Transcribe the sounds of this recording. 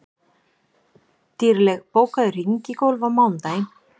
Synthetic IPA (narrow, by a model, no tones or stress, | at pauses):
t̪iːɾlɛɣpoːwkaðʏr̥iɲcɪkowlvamawnt̪aːjn